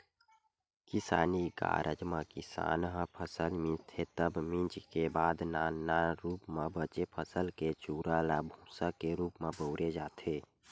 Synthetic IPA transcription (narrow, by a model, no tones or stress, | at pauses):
kɪsaːniɡa̰ːɾʔəd͡ʒmə̃kɪsa̰ːnɦə̃pʰəsəlmɪ̃d͡ʒt̪ʰet̪əbmĩt͡ʃkebaːd̪naːnaɾuːpmẽbət͡ʃepʰəsəlket͡ʃuːɾalabʱũːsakeɾuːpmebəːɾed͡ʒaːt̪ʰeː